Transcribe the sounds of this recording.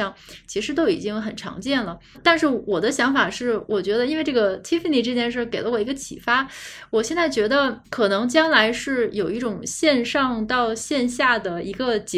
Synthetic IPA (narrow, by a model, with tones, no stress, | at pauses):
ɑ˥˩ŋt͡ɕʰi˧˥ʂɻ̩˧˥t̪o˥ʊḭ˨˩t͡ɕi˥ŋxə˨˩nʈ͡ʂʰɑ̰˧˥ŋt͡ɕjɛ˥˩nlə˩ | t̪a˥˧nʂɻ̩˥˩wɔ˨˩d̪ə˦ɕjɑ˧˥ŋfa˨˩ʂɻ̩˥˩wʔɔ˨˩t͡ɕɥɛ˧˥d̪ə˧i˥nwe˥˧ɪʈ͡ʂɤ˥˩ɡə˩t̪ʰi˥fə˨˩ni˥˩ʈ͡ʂɤ˥˧t͡ɕjɛ˥˧nʂ̬ə˥˩ke˨˩ɪlə˦wɔ˨˩i˧˥ɡə˧t͡ɕʰḭ˨˩fa˥wɔ˨˩ɕjɛ˥˧nt͡sa˥˩ɪt͡ɕɥɛ˧˥d̪ə˧kʰɤ˨˩nɤ˧˥ŋt͡ɕjɑ˥ŋla˧˥ɪʂɻ̩˥˩jo˨˩ʊi˥˩ʈ͡ʂʊ˨˩ŋɕjɛ˥˧nʂɑ˥˧ŋt̪ɑ˥˧ʊɕjɛ˥˧nɕja˥˩d̪ə˩i˧˥ɡə˧t͡ɕ